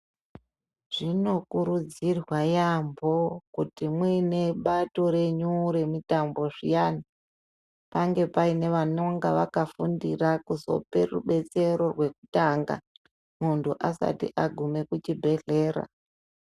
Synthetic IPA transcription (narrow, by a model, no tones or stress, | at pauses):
ʐ̥ino̞kuɾud͡zirwajambo̞kutimwine̞ɓato̞ɾe̞ɲuɾe̞mitambo̞ʐḭjana | paŋɡe̞paine̞ʋanoŋɡaʋa̰kafundirakuzo̞̰pe̞̰ruɓe̞t͡se̞ɾo̞rwe̞ku̥taŋɡa̰ | muntuʔasa̰tḭʔaɡʱume̞kut͡ʃibʱe̞ɮe̞ːɾa̰